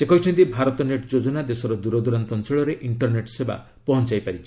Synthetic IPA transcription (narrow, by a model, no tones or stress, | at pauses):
sekɔɦit͡ʃʰɔnt̪ibʱaɾɔt̪ɔneʈd͡ʒod͡ʒɔnad̪esɔɾɔd̪uɾɔd̪uɾant̪ɔnsiɭɔɾeʔiɳʈɔɾneʈseba̰ | pɔɦɔnt͡ʃajpaɾit͡ʃʰi̥